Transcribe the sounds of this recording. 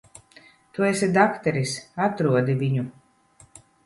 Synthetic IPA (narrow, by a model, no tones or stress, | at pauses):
t̪uɛsʲɛd̪akt̪ɛɾisat̪ɾuɔd̪iviɲu